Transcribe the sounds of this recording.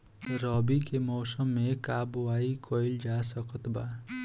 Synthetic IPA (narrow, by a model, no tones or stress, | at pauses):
ɾɔbikemɔːsəmːẽkaːbʋaːikʰoild͡ʒaːsəkət̪baː